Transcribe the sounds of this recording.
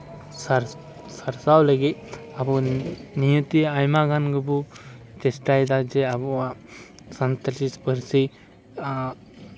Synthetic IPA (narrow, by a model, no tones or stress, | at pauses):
saɾ | saɾsawləɡit̪̚abɔnijut̪iajmaɡanɡɯbu | t͡ʃɛsʈajd̪ad͡ʒɛabɔa | sant̪at͡ʃispəɾsi